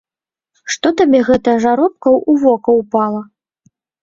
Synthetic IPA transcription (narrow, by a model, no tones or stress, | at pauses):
ʂt̪ɔt̪abʲɛɣɛt̪ɐʐaɾɔp̚kɐwʔuvɔkɐwpalˠɐ